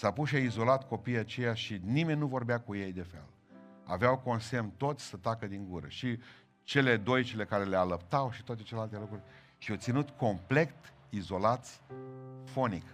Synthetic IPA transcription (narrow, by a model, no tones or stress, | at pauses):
sapuʃiaizo̞lat̪ko̞pijat͡ʃe̞jaʃinime̞nʲnuvo̞rbeakuje̞jd̪e̞fe̞̰l | a̰veawko̞nse̞mt̪o̞t̪sʲsət̪akəd̪iŋɡuɾə̰ʃi | t͡ʃe̞le̞d̪o̞jt͡ʃe̞le̞kaɾe̞lealəp̚t̪awʃi̥t̪oat̪e̞t͡ʃelealt̪e̞lukɾurʲ | ʃiot̪sinut̪kʰo̞mple̞kt̪ | izo̞lat̪sʲfo̞nik